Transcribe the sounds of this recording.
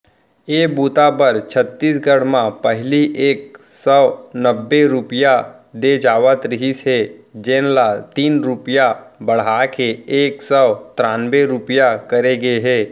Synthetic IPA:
eːbuːt̪abɐɾt͡ʃʰət̪ːiːsɡəɽ̤mãpɐɦliʔeːk̚sɔnəbːeɾʊpjad̪ed͡ʒaːʋət̪ɾɪɦisɦɛd͡ʒẽːnlat̪iːnɾʊpjabɐɽ̤aːkeeːksəwt̪ɾãːnbeɾʊpjakɐɾeɡeɦɛː

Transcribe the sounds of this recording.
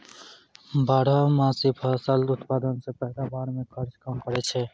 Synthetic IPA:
baːɽamãːsipʰasəlʊt̪paːd̪ənsepəɦd̪aːbaːɽmẽkʰəɾt͡ʃkəmkəɾɛt͡ʃʰɛː

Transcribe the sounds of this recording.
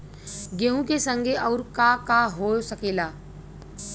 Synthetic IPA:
ɡeɦũkesə̃ŋɡʱeɔːɾkakaɦoːsəkeːlaː

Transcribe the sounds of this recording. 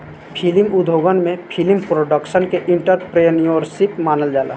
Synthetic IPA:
pʰilmʊd̪ʱoːɡənmẽpʰilmpɾoːɖəkʃənkeʔɪ̃ɳʈəɾpɾenijoɾʃipmaːnəld͡ʒaːla̰

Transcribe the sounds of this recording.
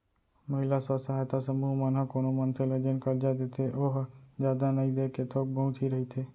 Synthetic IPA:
məɦɪlasəsaɦajt̪asəmuɦmənɦəkoːnomənt̪ʰeled͡ʒənkəɾd͡ʒad̪et̪ʰeʔoːɦd͡ʒjaːd̪anəĩd̪eːkːet̪ʰoːk̚bəɦũt̪ʰiɾəɦit̪ʰeː

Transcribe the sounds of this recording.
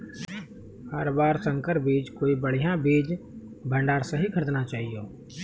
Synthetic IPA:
hɐɾbaːɾsə̃ŋkəɾbiːd͡ʒkoːibəɽ̤ijãbiːd͡ʒ | bʱə̃ɳɖaːɾsɐɦikʰəɾd̪nat͡ʃaːɦijoː

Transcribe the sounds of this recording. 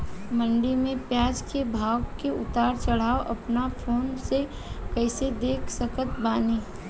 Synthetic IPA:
mə̃ɳɖimẽpjaːd͡ʒkebʱaːwkeʊt̪aːɾt͡ʃəɽ̤aːoʔɐpnafʰoːnse | kəɪsed̪eːkʰsəkət̪baːniː

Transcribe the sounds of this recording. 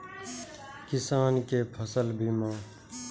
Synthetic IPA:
kɪsaːnkeːpʰəsəlbʱimãː

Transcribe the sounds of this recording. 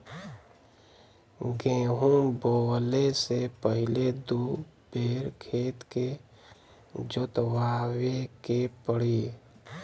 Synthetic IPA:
ɡẽːɦunboːlesepəɦɪled̪u | beːɾkʰeːt̪ke | d͡ʒʊt̪waːwekepəɽi

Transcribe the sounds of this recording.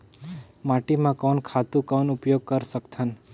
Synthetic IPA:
maʈimãkɔnkʰat̪ũkɔnʊpjoɡ̚kəɾsəkt̪ʰən

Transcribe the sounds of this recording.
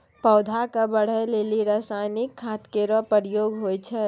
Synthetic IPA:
pɔːd̪ʱakabəɽ̤əjleːliɾaːsajnɪkʰːaːt̪keɾɔpəɾijoːɡɦojt͡ʃʰɛ

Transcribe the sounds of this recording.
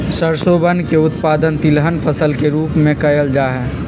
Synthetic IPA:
səɾsoːbənkeʊt̪paːd̪ənt̪ɪlɦənpʰəsəlkeɾuːpmẽkɐjəld͡ʒaːɦɛː

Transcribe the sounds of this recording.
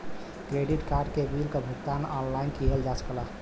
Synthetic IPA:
kɾeɖiʈkaːɾɖkebilkabʱʊkt̪anɔnlaɪnkiɦeld͡ʒasə̥kla

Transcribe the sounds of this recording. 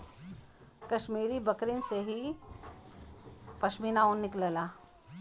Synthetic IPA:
kɐʃmiːɾibɐkɾɪnseɦi | pɐʃmiːnaonːɪkləlaː

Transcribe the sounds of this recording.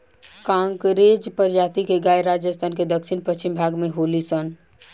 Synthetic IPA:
kãŋkɾed͡ʒpəɾd͡ʒat̪ikeɡajɾad͡ʒjəst̪ʰanked̪əkʃʰinpət͡ʃimbʱaɡmeɦolisən

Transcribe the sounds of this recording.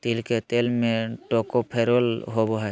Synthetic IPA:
t̪ilket̪elmẽʈokopʰeɾolɦoboɦɛ

